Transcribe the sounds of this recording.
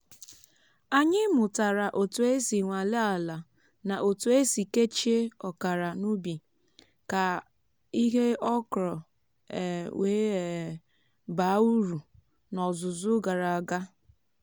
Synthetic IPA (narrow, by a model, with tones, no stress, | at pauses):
a˨ɲɪ˦mʊ˨ta˨ɾa˨ʔo˨tu˨e˦si˨ŋʷa˨le˦a˨la˨ | na˨ʔo˨tu˨e˦si˨ke˦t͡ʃe˦ɔ˨ka˨ɾa˨nu˦bi˨ | ka˨ | i˦ɦe˦ɔ˦kɾɔ˨ | weː˦˨ | ba˨˦u˦ɾu˨ | nɔ˨zʊ˨zʊ˦ɡa˨ɾa˨a˨ɡa˦